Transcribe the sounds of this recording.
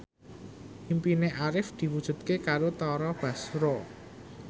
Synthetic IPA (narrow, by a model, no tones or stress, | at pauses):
impineʔaɾɪfd̪̥i̤wud̥ʒ̥ṳt̪̚kekaɾot̪ɔɾɔb̥ä̤sɾɔ